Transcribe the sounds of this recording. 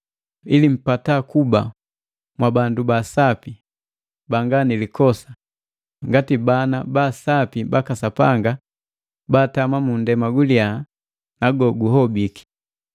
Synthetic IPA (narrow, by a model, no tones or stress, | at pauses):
ilim̩patakuba̰ | mwabandubasapi | baŋɡanilikɔsḁ | ŋɡatibanabasapibakasapaŋɡa | baːtamamundɛmaɡulia | naɡɔɡuɦɔbiki̥